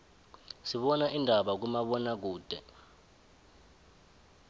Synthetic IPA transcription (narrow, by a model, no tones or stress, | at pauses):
siɓɔnaʔindʱaɓak̬umaɓɔnak̬uːd̥ʱɛ̰